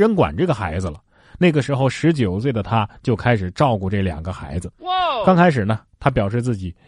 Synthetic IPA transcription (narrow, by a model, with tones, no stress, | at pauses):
ɻə˧˥nkwa̰˨˩nʈ͡ʂɤ˥˩ɡə˩xa̰˧˥ɪd͡zɹ̩˧lə˩ | na˥˩ɡə˩ʂɻ̩˧˥xo˥˧ʊʂɻ̩˧˥t͡ɕjo˨˩ʊswe˥˩ɪd̪ə˩t̪ʰa˥t͡ɕjo˥˩ʊkʰa˥ɪʂɻ̩˨˩ʈ͡ʂɑ˥˧ʊku˥˧˩ʈ͡ʂɤ˥˩ljɑ̰˨˩ŋɡə˦xa̰˧˥ɪd͡zɹ̩˧kɑ˥ŋkʰa˥ɪʂ̬ɻ̩˨˩nə˦t̪ʰa˥p̬jɑ˨˩ʊʂ̬ɻ̩˥˧t͡sɹ̩˥˩t͡ɕi˨˩˦